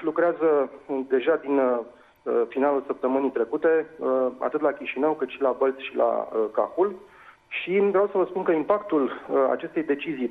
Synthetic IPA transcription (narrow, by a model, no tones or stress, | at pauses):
lukɾeazəd̪e̞ʒad̪in | əfinalulsəp̚t̪əmɨnijt̪ɾe̞kut̪e̞əa̰t̪ɨt̪lakʲiʃinəwkɨt̪ʃilabəlt̪sʃilʔa̰əka̰xul | ʃiɡɾawsəvəspunkəimpakt̪uləa̰t͡ʃe̞st̪e̞jd̪e̞t͡ʃizij